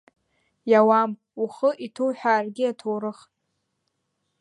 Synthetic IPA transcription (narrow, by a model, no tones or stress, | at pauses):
jawam | uχəʔitʰowħᶣaːrɡʲɪatʰowɾɨχʼ